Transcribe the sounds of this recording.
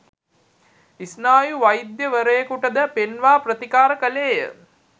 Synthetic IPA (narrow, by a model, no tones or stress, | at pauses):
isnaːjuʋajd̪jəʋəɾəjekuʈəd̪əpenʋaːprət̪ikaːɾəkəleːjə̰